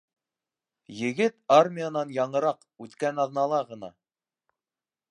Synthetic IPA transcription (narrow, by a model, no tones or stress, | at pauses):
jɘ̆ɡɘt̪armʲijanɑnjɑɴɤ̆ɾɑq | ʉt̪kænɑðnɑlˠɑʁɤ̆n̪ɑ̰